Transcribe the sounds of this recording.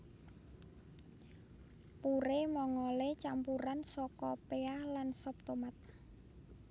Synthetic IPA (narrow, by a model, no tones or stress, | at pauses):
puɾemɔŋɔlet͡ʃampuɾansɔkɔpeahlansɔp̚t̪omat̪̚